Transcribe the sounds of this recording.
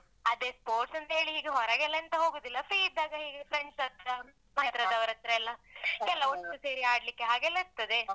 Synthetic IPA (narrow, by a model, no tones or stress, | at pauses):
ɐd̪eːspoːɾʈsɐnt̪ɐɦeːɭiɦiːɡeɦɔɾɐɡɛlːɐɐnt̪ɐɦoːɡoːd̪ilːɐpɾiːid̪ːaːɡɐɦiːɡefɾeɳsɐt̪ɾɐ | mɐt̪ɾɐd̪ɐʋɾɐt̪ɾɐɛlːɐkɛlːɐoʈːuse̞ːɾiaːɽlikːeɦaːɡɛlːɐiɾt̪ɐd̪e̞